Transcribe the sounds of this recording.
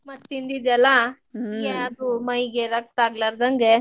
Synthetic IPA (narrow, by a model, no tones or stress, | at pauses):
mɐt̪ːind̪id̪ɛlːa | eɐd̪umɐjɡeɾɐk̚t̪aːɡlaɾd̪ɐŋɡe